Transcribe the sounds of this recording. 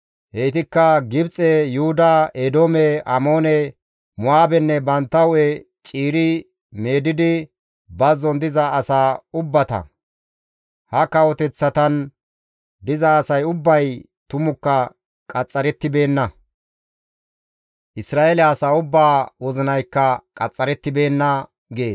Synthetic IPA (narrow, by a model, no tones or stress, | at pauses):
hejt̪ɪkːɐɡɪbt͡sʼɛjuhʊd̪ɐed̪oːmɛʔɐ̰mo̞ːnɛ | mʊaːbɛnːɛbɐnt̪ːɐʊɛ | t͡ʃʼiːɾɪ | me̞ːd̪ɪd̪ɪ | bɐzːɔnd̪ɪzɐːsaːʊbːɐt̪ɐ̰ | hɐkɐwɔt̪ɛt͡sːɐt̪ɐn | d̪ɪzɐːsɐjʊbːɐj | t̪ʊmʊkːɐ | kʼɐt͡sʼːɐɾɛt̪ːɪbe̞ːnːɐ | ʔɪsɾaːelɛːsaːʊbːaːwɔzɪnɐjkːɐkʼɐt͡sʼːɐɾɛt̪ːɪbe̞ːnːɐ | ɡeːs